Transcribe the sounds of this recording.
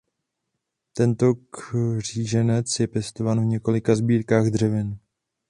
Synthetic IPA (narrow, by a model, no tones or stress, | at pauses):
t̪ɛnt̪o̞kr̝̥iːʒɛnɛt͡sjɛpjɛst̪ovaːnvɲɛko̞lɪkazbiːɾkaːɣd̪r̝ɛvɪn